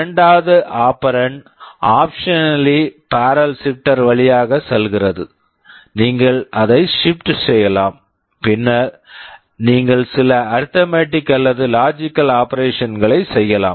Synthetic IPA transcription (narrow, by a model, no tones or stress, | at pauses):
ɐɳɖaːɐðɯʔaːpɐɾɐɳ | ʔaːpʂɐnɐlipaːɾɐlsɪkʈːɐɾʋɐɭɪjaːɣɐsɛlɣɪrɐðɯ | niːŋɡɐɭʔɐðɐɪʂɪp̚ʈsɛjːɐlaːm | pɪnːaɾ | niːŋɡɐɭsɪlɐɐɾt̪ɐmeːʈːɪkːɐlːɐðɯlaːd͡ʒɪkːɐlaːpɐɾeːʂɐnɡɐɭɐɪsɛjːɐla̰ːm